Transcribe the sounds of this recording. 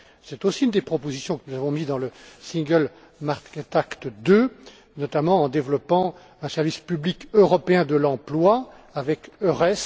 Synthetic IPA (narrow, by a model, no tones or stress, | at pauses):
sɛt̪osiynd̪epχɔpozisjɔ̃kənuzavɔ̃mid̪ɑ̃ləsĩɡəl | maʁkɛt̪akt̪əd̪ø | nɔt̪amɑ̃ɑ̃d̪evlɔpɑ̃ | ɛ̃sɛʁvispyblikøʁɔpeɛ̃d̪əlɑ̃plwa | avɛkøʁɛs